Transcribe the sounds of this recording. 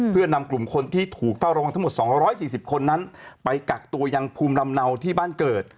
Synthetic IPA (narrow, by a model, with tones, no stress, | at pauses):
pʰɯ˥˩ɐna˧mklu˨˩mkʰo˧nt̪ʰiː˥˩t̪ʰuː˨˩k̚fa˥˩wɾa˧wa˧ŋt̪ʰa˥mo˨˩t̪sɔː˩˦ŋɾɔː˦˥jsiː˨˩si˨˩p̚kʰo˧nːa˦˥npa˧jka˨˩k̚t̪u˧ɐja˧ŋpʰuː˧mla˧mna˧wt̪ʰiː˥˩baː˥˩nkɤː˨˩t̪̚